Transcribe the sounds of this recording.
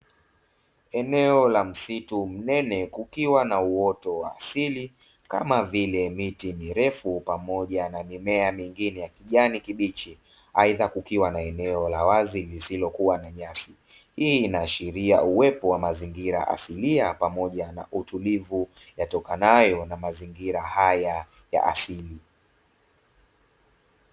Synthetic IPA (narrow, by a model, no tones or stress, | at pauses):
ɛnɛɔlam̩situm̩nɛnɛkukiwanauɔtɔwaːsili | ka̰mavilɛmitimiɾɛfupamɔʄanamimɛamiŋɡinɛjakiʄanikiɓit͡ʃi | aiðakukiwanaɛnɛɔlawazilisilɔkuwanaɲasi | hiːnaːʃiɾiauwɛpɔwamaziŋɡiɾa̰ʔa̰siliapamɔʄana̰ʔutulivu | jatɔkanajɔnamaziŋɡiɾahaja | ja̰ʔa̰sili